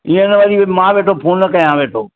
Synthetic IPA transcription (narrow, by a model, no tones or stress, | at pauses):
ĩːẽɪnəʋɐɗimãːʋeːʈʰopʰoːnnɐkɐjãʋeːʈʰoː